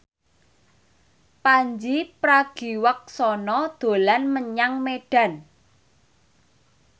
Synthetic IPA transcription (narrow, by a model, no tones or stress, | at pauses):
paɲd͡ʒipɾaɡ̥i̤wək̚sɔnɔd̪̥o̤lanməɲaŋmeɖ̥ä̤n